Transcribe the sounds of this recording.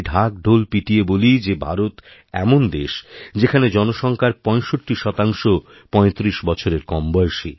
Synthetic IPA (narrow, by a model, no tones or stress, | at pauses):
ɖʱak̚ɖʱolpiʈiebolid͡ʑebʱa̰ɾot̪ | ɛ̰mond̪eʃd͡ʑekʰaned͡ʑɔnoʃɔŋkʰaɾpɔ̃eʃoʈːiʃɔt̪aŋʃo | pɔ̃et̪ɾiʃbɔt͡ɕʰoɾeɾkɔmbɔjʃi